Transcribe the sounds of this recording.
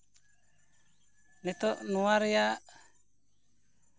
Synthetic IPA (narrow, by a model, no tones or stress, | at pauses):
nɛt̪ɔʔnuaɾjaʔ